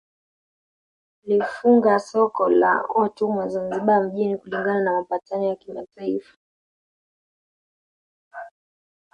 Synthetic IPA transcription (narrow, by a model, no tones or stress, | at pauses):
lifuŋɡasɔkɔla̰ɔtumwazanziɓam̩ʄinikuliŋɡananamapatanɔjakima̰taifḁ